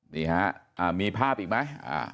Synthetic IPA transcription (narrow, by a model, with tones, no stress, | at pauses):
niː˨˩ha˦˥ʔʔaː˨˩miː˧pʰaː˥˩p̚ʔiː˨˩k̚ma˦˥jʔa̰ː˧˩